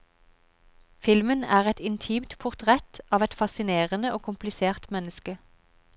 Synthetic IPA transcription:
fɪlmənæːʁɛt̪ɪnt̪ʰiːmt̪pʰʊʁt̪ʰʁɛt̪ɑːʋɛt̪fɑsɪneːʁənəoːkʰʊmplɪseːʁt̪mɛnəskə

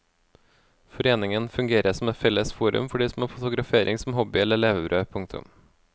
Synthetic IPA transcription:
fɔɾeːnɪŋənfʉŋɡeːɾəsɔm̩ɛfɛləsfuːɾʉ̰mfɔɖiːsmoːfʊt̪ʊɡɾɑfeːɾʔɪŋsm̩hɔbɪɛləɭeːʋəbɾʔøːpʰʊŋk̚t̪ʰʊ̰m

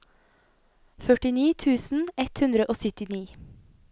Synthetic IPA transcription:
fœʈɪniːt̪ʰʉːsn̩ɛt̪hʉnd̪ɾəʔoːsʏt̪ɪniː

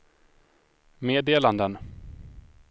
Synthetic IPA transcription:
meːd̪eːland̪ən

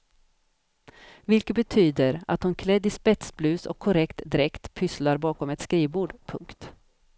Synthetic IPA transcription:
vɪlkət̪̚bɛt̪ʰyːd̪əɾa̰t̪hʊnkʰlɛd̪ɪspɛt̪sblʉ̟ːsɔ̰kʰːɔɾɛkt̪d̪ɪɾɛkt̪pʰʏslaɾbɑːkɔmɛt̪skɾiːbuːɖpʰɵ̰ŋkt̪

